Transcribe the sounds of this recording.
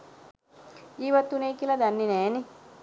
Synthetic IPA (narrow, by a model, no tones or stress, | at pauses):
iːʋɐt̪ːuneːkilɐd̪ɐnːinɛːni